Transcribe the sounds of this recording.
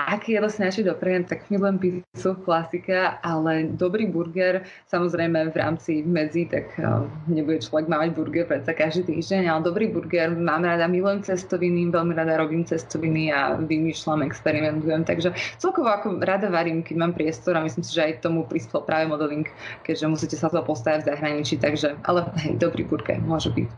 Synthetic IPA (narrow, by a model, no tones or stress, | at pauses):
ʔakjɛd̪ɔsinat͡ʃɛd̪ɔpɾɛjɛmt̪aɡmilujɛmpiznisuklasikaʔalɛd̪ɔbɾiːbuɾɡɛɾ | samɔzɾɛjmɛvɾa̰ːmt͡simɛd͡zit̪a̰kɲɛbuɟɛt͡ʃlˠɔʋɛɡmaːmaɟbuɾɡɛɾpɾɛt͡sakaʒd̪iːt̪ḭːʒɟɛɲalɛd̪ɔbɾiːbuɾɡɛɾmaːmɾad̪amilujɛmt͡sɛst̪ɔʋiniʋɛlmiɾad̪aɾɔbiːmt͡sɛst̪ɔʋinia̰ʋimiːʃlamɛkspɛɾimɛnt̪ujɛmt̪aɡʒɛt͡sɛlˠkɔʋɔakɔɾad̪aʋaɾiːmkɛɟmaːmpɾɪɛst̪ɔɾamislimsiʒɛajt̪ɔmupɾispɛlˠpɾʔaːʋɛmɔd̪ɔʋiŋkkɛɟʒɛmusiːcɛsat̪ɔɔpɔst̪aʋaɟvzaɦɾaɲit͡ʃit̪aɡʒɛʔa̰lɛɦɛ̰jd̪ɔbɾḭbuɾɡɛ̰ɾmʊɔʒɛbḭc